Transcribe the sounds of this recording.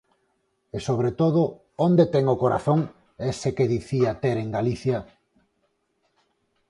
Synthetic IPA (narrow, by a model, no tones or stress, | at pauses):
esoβ̞ɾet̪oð̞ʊ | ond̪et̪ɛŋokoɾa̰θoŋ | esekeðiθiat̪eɾeŋɡaliθja